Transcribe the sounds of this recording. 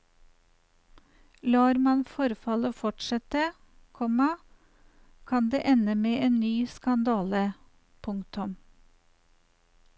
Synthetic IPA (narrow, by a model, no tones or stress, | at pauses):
lɑːɾmɑnfɔɾfɑləfɔʈʃɛt̪ə | kʰɔmɑ | kʰɑnd̪ḛːʔɛnəmeːʔeːnnyːskɑnd̪ɑːlə | pʰʊŋkt̪ʰʊm